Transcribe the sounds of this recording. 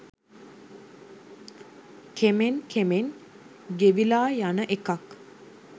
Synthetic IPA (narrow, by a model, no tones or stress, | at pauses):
kʰemenkʰemen | ɡeʋilaːjanəʔekak